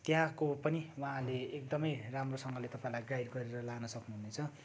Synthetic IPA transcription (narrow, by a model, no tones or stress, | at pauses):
t̪jãkopʌniwʌɦãleːk̚d̪ʌmʌjramrosʌŋɡʌlet̪ʌpãĩlajɡajdɡʌɾeɾʌlanʌsʌknuɦunet͡sʰʌ